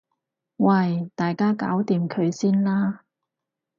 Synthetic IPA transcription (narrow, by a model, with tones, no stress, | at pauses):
wɐ˧jt̪aː˨jkaː˥ka̰ː˨˥wt̪iː˨˧mkʰɵ˨˧ɥsiː˥nlaː˥